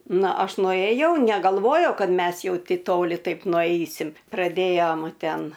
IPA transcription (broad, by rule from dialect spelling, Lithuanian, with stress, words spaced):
ˈnɐ ˈɐʃ nʊeːˈjɛʊ nʲɛɡɐlˠˈʋoːjɛʊ ˈkɐt ˈmʲɛs jɛʊ ˈtʲɛɪ ˈtoːlʲɪ ˈtɐɪp nʊˈɐɪsʲɪmʲ prɐˈdʲeːjoːm ˈtʲɛn